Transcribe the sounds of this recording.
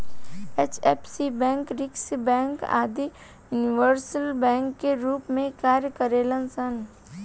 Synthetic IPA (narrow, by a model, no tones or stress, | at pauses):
eːt͡ʃeːpsibɛ̃ːŋkɾɪksbɛ̃ːŋka̰ːd̪i | juːniʋəɾsəlbɛ̃ːŋkːeɾuːpmẽkaːɾjəkəɾeːlənsən